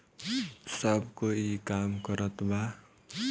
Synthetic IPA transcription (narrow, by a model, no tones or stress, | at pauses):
sʌbkoikamkʌɾʌt̪ma